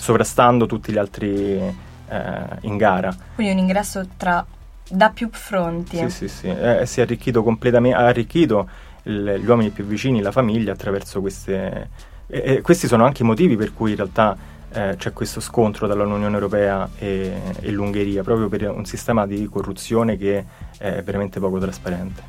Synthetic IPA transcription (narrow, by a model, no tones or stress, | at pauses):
sovɾast̪and̪ot̪ut̪ːiʎalt̪ɾḭ | ḭŋɡaːɾakind̪iuniŋɡɾɛsːot̪ɾa | d̪apːjufɾont̪siisisḭɛɛsːiɛarːik̟ːiːt̪̬okomplet̪ameaːrːikːiːt̪o | ilʎːwɔːminipjuvːit͡ʃiːnilafamiʎːaːt̪ːɾavɛrsokwest̪e | ɛkːwest̪isoːnoaŋk̟eimot̪iːviperkujinrealt̪a | t͡ʃɛkːwest̪oskont̪ɾot̪ɾalunjunjoːnewɾopɛːaeḛlːuŋɡeɾiːapɾɔːpɾjoperṵnsist̪ɛːmad̪ikorːut̪sːjoːnek̟e | ɛɛ̰vːeɾament̪epɔːkot̪ɾaspaɾɛnt̪e̥